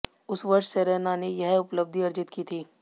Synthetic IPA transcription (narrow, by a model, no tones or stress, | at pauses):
ʊsʋɐɾʃseɾenanejɛɦʊpləb̚d̪ʱiɐɾd͡ʒɪt̪kit̪ʰiː